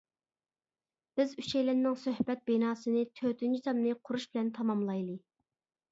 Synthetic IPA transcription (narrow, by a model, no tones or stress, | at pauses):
b̥ɪzyʃɛjlɪnnːɪŋsøhbɛt̪̚benɑːsɨnɨt̪ʰøt̪ʰynt͡ʃʰit̪ʰɑmnɨqʰʊɾuʃbɪlɛnt̪ʰɑmɑmlˠɑjlˠɨ